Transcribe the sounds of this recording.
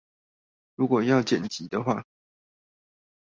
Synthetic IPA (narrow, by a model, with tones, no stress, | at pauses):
ɻu˧˥kwɔ˨˩jɑ˥˩ʊt͡ɕjɛ˨˩nt͡ɕi˨˥d̪ə˦xwa̰˥˨